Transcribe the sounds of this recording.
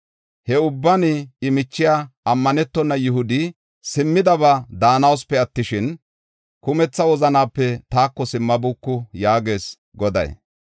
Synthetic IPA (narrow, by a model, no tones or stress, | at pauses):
hɛʊbːɐnɪɪmɪt͡ʃːɪjaːʔɐmːɐnɛt̪ːɔnːɐjʊɦʊd̪ɪ | sɪmːɪd̪ɐβad̪aːnɐwspːɛɐt̪ːɪʃɪn | kʊmɛt͡sːɐwɔzɐnaːpːɛt̪aːkːɔsɪmːɐbukːʊjaːɡe̞ːs | ɡɔd̪ɐ̰j